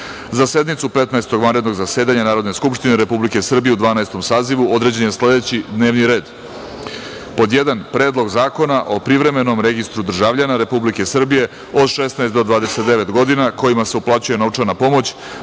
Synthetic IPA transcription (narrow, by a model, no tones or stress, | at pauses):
zase̞d̪nit̪supet̪naest̪o̞ɡʋanɾe̞d̪no̞ɡzaseːd̪aɲanaːɾo̞d̪neskupʃt̪ine̞ɾe̞publike̞sr̩bijeud̪ʋaːnaest̪o̞msaːziʋuo̞d̪ɾe̞d͡ʑenjesle̞d̪et͡ɕid̪neːʋniɾe̞ːd̪ | po̞d̪jed̪anpɾeːd̪lˠo̞ɡzaːko̞naʔo̞pɾiʋɾe̞me̞no̞mɾe̞ɡist̪ɾud̪r̩ʒaʋʎanaɾe̞publike̞sr̩bije̞ | o̞d̪ʃesnaest̪d̪o̞d̪ʋaːd̪eset̪̚d̪e̞ʋe̞t̪ɡo̞d̪inako̞imase̞uplˠat͡ɕuje̞no̞ʋt͡ʂaɾnapo̞mo̞t͡ɕ